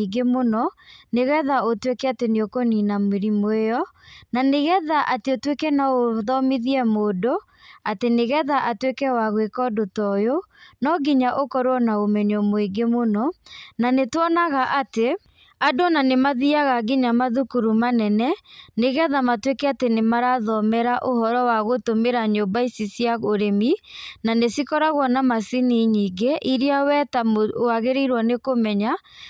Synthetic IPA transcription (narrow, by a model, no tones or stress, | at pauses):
iɡemonɔneɣɛðaotwekɛateneokoninamweɾimoejɔnaneɣɛðaʔateotwekɛnaoðɔmiðiɛmoːdo | ateneɣɛðaʔatwekɛwaɣwekɔdotɔjonɔɡiɲaʔokɔɾwɔnaomɛɲɔmoeɡemonɔnanetwɔnaɣaʔate | adonanemaðiaɣaɡiɲamaðukuɾumanɛnɛneɣɛðamatwekɛatenemaɾaðɔmɛɾaʔoɦɔɾɔwaɣotomeɾaɲombaisisijaɣoɾemi | nanesikɔɾaɣwɔnamasiniɲiːɡeʔiɾiawɛtamaɣeɾiiɾwɔnekomɛɲa